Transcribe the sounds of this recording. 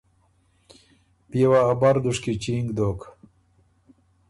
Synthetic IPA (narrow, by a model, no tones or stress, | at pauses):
piwaːbaɾd̪uʂkit͡ʃiŋɡd̪ok